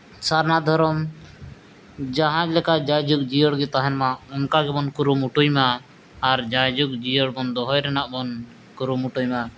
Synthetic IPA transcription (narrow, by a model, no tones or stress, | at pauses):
saɾnad̪ʱɔɾɔm | d͡ʒaɦãd͡ʒlɛkad͡ʒajd͡ʒuk̚d͡ʒijɔɽɡɛt̪aɦɛnmaɔŋkaɡɛbɔnkuɾumuʈujmaː | ɾd͡ʒad͡ʒuk̚d͡ʒijɔɽbɔnd̪ɔɦɔjɾɛnaʔbɔn | kuɾumuʈujma